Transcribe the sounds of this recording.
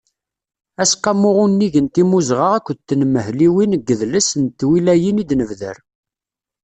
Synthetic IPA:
æsqɑmːʊʁʊnːiʝənt̪imuzʁəʁækʷːt̪ːnməhliwinəɡːəðləsənt̪ːwilæjinid̪nəvðə̰ɾ

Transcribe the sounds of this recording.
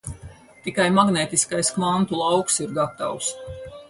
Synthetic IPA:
t̪ikajmaɡneːt̪iskajskvant̪ulˠawksiɾɡat̪a̰ws

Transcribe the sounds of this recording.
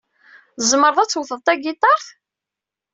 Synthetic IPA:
zməɾˤðˤæt͡sːwəθəðˤt̪ˤæɡit̪ˤɑɾˤθ

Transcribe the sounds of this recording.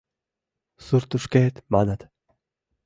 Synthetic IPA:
suɾt̪uʂkeːt̪manat̪

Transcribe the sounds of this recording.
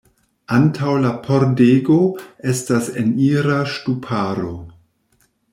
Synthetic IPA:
ʔantʰawlapʰoɾdeɡo̞estaseniɾaʃtupʰaɾo̞̰

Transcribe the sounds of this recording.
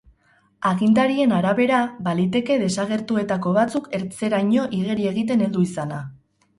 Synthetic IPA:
aɣind̪aɾie̞naɾaβe̞ɾabalit̪e̞ke̞ðe̞saɣ̞e̞ɾt̪ue̞t̪ako̞βat͡suke̞ɾt͡se̞ɾajɲo̞ʔiɣeɾie̞ɣ̞it̪e̞ne̞ld̪uisana

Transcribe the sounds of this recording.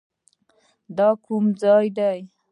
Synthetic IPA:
d̪ɑkumd͡zɑjd̪aj

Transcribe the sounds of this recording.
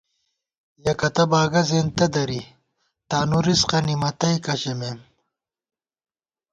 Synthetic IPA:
jɐkɐt̪ɐbaːɡɐzent̪ɐd̪ɐɾi | t̪aːnuɾisqɐnimɐt̪ɐjkɐɕemem

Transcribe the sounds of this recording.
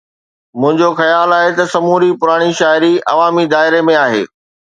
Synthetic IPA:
mʊ̃ɦɪ̃ɲd͡ʑoxɐjaːlaːɦet̪ɐsɐmuːɾipʊɾaːɽ̃iʃaːɪɾiʔɐ̰ʋaːmid̪aːɪɾemẽaːɦḛː

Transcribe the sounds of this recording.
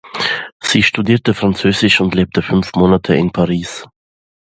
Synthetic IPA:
z̥iːʃtudiːɐtəfʁ̥ant͡søːzɪʃʊntleːp̚tʰəfʏnfmoːnatʰəɪnpʰaʁiːs

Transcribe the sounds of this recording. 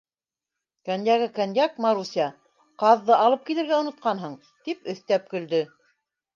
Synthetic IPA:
kænjæɣɘkænjɑk̚mɑɾusʲɑ | qɑðːɤʔɑlˠɤp̚kilɘ̆ɾɡæŏnŏt̪̚qɑnɦɤɴ | t̪ipɵ̆θt̪æp̚kɵ̆ld̪ɵ

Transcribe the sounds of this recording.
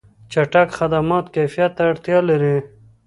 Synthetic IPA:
t͡ʃaʈakxad̪amɑt̪kafijat̪ːaːɽt̪jɑlaɾi

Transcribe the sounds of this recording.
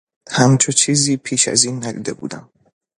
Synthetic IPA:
hæmt͡ʃʰot͡ʃʰiːziːpʰiːʃæ̰ziːnːæd̪ḭːd̪e̞bṵːd̪æ̰m

